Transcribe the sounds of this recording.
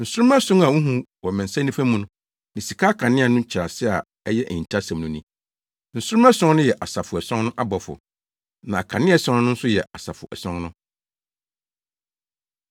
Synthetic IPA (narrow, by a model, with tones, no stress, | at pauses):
n̩˨sʊ˦ʊ̃˦ma˦sʊ̃˦ŋa˨wũ˦ɦũ˦wɔ˨mɛ̃˨n˨sã˦nĩ˦fæ̃˦mũ˦nʊ̃˦ | nɪ̃˨si˨kʰaː˦kʰã˨nɪ̃˦a˨nʊ̃˦t͡ɕʰɪ˨ɾa˨sɪ˦a˨ | ɛ˦jɛ˦ʔɛ̰˨ɲĩ˨tʰa˦sã˨mnũ˨nĩ˦ | n̩˨sʊ˦ɾmɛ˦sɔ̃˦ŋ˦nʊ̃˦jɛ˨ʔa˨sa˨fʊ˨ɛ˨sɔ̃˦ŋnʊ̃˦ʔa˦bɔ˨fʊ̰˨ | nã˨a˨kʰã˨nɪ̃˦ɛ˦sɔ̃˦n˦nʊ̃˦n̩˦sʊ˦jɛ˨a˨sa̰˨fʊ̰˨ʔɛ̰˨sɔ̃˦ŋnʊ̃˦